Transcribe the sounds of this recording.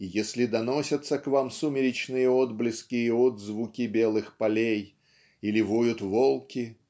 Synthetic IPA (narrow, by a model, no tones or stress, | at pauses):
jesʲlʲɪd̪ɐnosʲət̪səkvamsumʲɪɾʲɪt͡ɕnɨjəod̪blʲɪskʲiəod̪zvukʲɪbʲe̞lˠɨxpalʲej | ilʲɪvojʊt̪volˠkʲɪ